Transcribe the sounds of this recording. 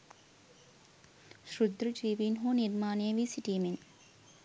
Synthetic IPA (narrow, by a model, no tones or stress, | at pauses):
ʃɾud̪ɾəd͡ʒiːʋiːnɦoːniɾmaːnejəʋiːsiʈiːmin